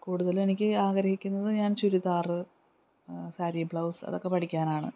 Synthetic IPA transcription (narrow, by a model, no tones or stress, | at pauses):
kuːɽuðɐle̞nikʲːɨaːɡɐɾɐhikʲːunːɐðɨɲaːnt͡ɕuɾuðaːrɨ | saːɾijɐbɭɐwsɐ̰ðo̞kːe̞pɐʈʰikʲːaːnaːɳɨ̰